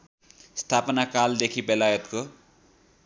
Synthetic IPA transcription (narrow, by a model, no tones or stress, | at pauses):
st̪ʰapnakald̪ekʰibelajʌt̪ko